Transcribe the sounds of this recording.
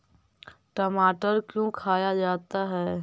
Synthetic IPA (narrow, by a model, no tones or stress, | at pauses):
ʈɔmaːʈəɾkjõkʰaːjad͡ʒaːt̪aɦɛː